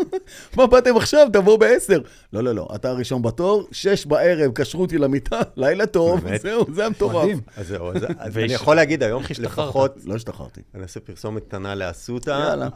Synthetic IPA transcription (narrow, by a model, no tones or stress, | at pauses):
mabat̪e̞maχʃavt̪̬avobeese̞ʁ | lo̞lo̞lo̞̰ʔa̰t̪aʁiʃo̞nbato̞ʁʃeʃbae̞ʁevkaʃʁut̪ilamit̪ʰalajlat̪o̞vzeuzeamtoʁazeuaznijaχolːeaɡid̪ajomlefaχot̪loʃt̪aχa̰ʁt̪ḭaniosepiʁsomettanaleasut̪aala